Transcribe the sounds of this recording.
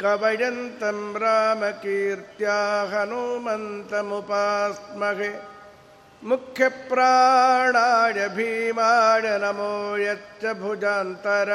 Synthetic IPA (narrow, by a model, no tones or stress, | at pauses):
kɐʋɐɽɐnt̪ɐmbɾaːmɐkiːɾt̪jaːɦɐnumɐnt̪ɐmupaːsmɐɣe | mukʰjɐpɾaːɳaːɽɐbʱiːmaːɽɐnɐmoːjɐtt͡ʃɐbʱud͡ʒaːnt̪ɐɾɐ